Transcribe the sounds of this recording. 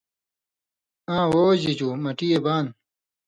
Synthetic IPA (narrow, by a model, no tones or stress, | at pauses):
ãːwoːd͡ʑid͡ʑumɐʈijebaːn